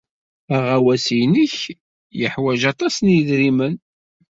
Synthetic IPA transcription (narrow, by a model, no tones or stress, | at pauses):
æʁæwæsijnəç | jəħwæʒɑt̪ˤɑsnjðɾimən